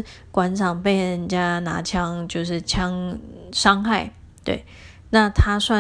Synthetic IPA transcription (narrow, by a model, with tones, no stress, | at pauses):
kwa˧˥nt͡sʰɑ˨˩ŋpe˥˩ɪɻə˥˩nt͡ɕja˥na̰˧˥t͡ɕʰjɑ˥ŋt͡ɕjo˥˧ʊʂɻ̩˥˩t͡ɕʰjɑ˥ŋʂɑ˥ŋxa˥˩ɪ | t̪wḛ˥˩ɪ | na˥˩t̪ʰa˥swa˥˧